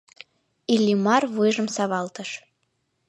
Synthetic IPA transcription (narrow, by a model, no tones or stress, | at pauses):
ilʲːimɑrβujʒə̆msɑβɑlt̪əʃ